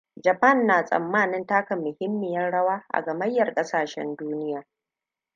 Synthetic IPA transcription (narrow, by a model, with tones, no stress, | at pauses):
d͡ʒɐ˨pɐ˦˨nːaː˨sʼɐ̰˨mːaː˦˨nɪ˦ntaː˦kɐ˨mːʊ˨hɪ˦mːɪ˨jɐ˦nɽɐ˦waː˦ʔa̰˨ɡɐ˨mɐ˦jːɐ˨rkʼɐ˦saː˨ʃɛ̰˦nduː˦nɪ˦jaː˨